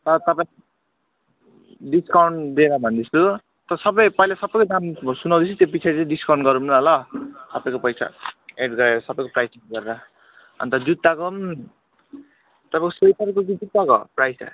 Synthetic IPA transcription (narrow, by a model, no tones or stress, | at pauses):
t̪ʌɾʌt̪ʌpãj̃ | ɖiskawɳd̪ieɾʌbʱʌnd̪it͡sʰu | t̪ʌsʌbʌjpʌjlasʌbʌjkod̪amsunawd̪it͡sʰut̪jop̬it͡sʰaɾit͡sãɖiskaw̃ɳɖɡʌɾumunɦʌlʌsʌpaj̃kopʌjsʰa̰eɖɡʌɾeɾʌsʌbʌjkoprajseɡʌɾeɾa | ʌ̰nt̪ʌd͡zut̪ːakom | t̪ʌpãj̃kosejʈʌrkoɡid͡zut̪ːako̰prajsa̰